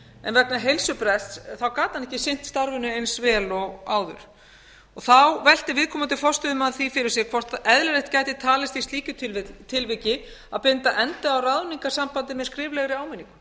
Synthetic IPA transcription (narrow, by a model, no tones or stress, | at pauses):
ɛ̰nvɛknaɦejlsʏpɾɛst̪sθawkaːt̪anɛhcɪsɪn̥t̪st̪aɾvʏnʏejnsvɛːlɔɣaːwðʏ̰ɾ̥ | ɔɣθawvɛl̥t̪ɪɾvɪðkʰɔːmant̪ɪfɔr̥st̪ʏðʏmaðθifɪɾɪɾsjɛɣkʰvɔr̥t̪ɛðlʏɾejht̪̚caːjt̪ɪt̪ʰaːlɪst̪ist̪liːcʏt̪ʰɪlt̪ʰɪlvɪcɪ | aðpɪnt̪aʔɛnt̪aawraðniŋkḁsampant̪ɪmɛðskɾɪːvlɛɣɾɪaːwmɛniŋkʏ̥